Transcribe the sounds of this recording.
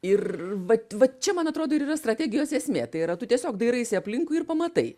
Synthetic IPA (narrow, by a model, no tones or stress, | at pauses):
ɪrʋɐʋɐt͡ʃʲɛmɐnɐt̪ɾoːd̪oːɪɾiːrɐst̪ɾɐt̪ʲæːɡʲɪjoːseːsʲmʲeːt̪ɐɪɪɾɐt̪ʊt̪ʲiɛsʲoːkd̪ɐɪɾɐɪsʲɪɐpʲlʲɪŋkʊɪrpɐmɐt̪ɐɪ